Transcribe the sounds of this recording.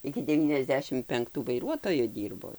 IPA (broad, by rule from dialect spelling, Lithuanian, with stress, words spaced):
ɪkʲɪ dʲɛʋʲiːnʲɛzʲˈdʲæːʃʲɪm pʲɛŋkˈtuː ʋɐɪˈruɔtoːjʊ ˈdʲiːrboː